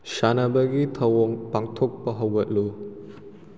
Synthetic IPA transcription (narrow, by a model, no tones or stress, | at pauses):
sanɐbɐɡitʰɐwɔŋpaŋtʰok̚pɐɦɐwɡɐt̚lu